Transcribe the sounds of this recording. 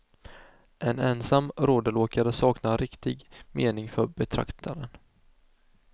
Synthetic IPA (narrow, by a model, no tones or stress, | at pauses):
ʔɛnɛnsamːɾoːd̪əloːkaɾəsɑːknaɾɪkt̪ɪɡmeːnɪŋfœbɛt̪ʰɾa̰kt̪ʰaɾən